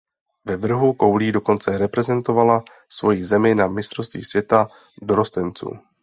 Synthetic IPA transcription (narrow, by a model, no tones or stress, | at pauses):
vɛvr̩ɦuko̞wliːdo̞ko̞nt͡sɛɾɛpɾɛzɛnt̪o̞vala | svo̞jizɛmɪnamɪst̪ɾofst̪vḭːsvjɛt̪a | doɾo̞st̪ɛnt͡sṵː